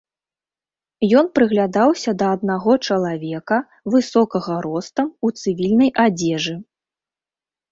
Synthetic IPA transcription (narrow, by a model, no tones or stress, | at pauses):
jɔnpɾɨɣlʲad̪awsʲɐd̪ɐːd̪̚naɣɔt͡ʂɐlˠavʲɛkɐ | vɨsɔkɐɣɐɾɔst̪ɐmut̪sɨvʲilʲnɐjʔad͡zʲɛʐɨ